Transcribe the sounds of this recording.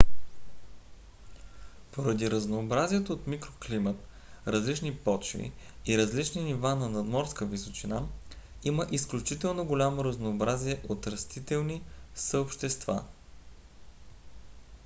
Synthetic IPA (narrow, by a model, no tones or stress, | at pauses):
poɾɐd̪iɾəznoːbɾaziɛt̪oot̪mikɾoklimət̪ | ɾɐzlit͡ʃnipɔt͡ʃvḭiɾəzlit͡ʃninivanɐnɐd̪mɔɾskəvisot͡ʃina | iməʔisklʲut͡ʃit̪ɛlˠnoɡolʲamoɾəznoːbɾaziɛʔot̪ɾɐst̪it̪ɛlˠnisəopʃt̪ɛst̪va̰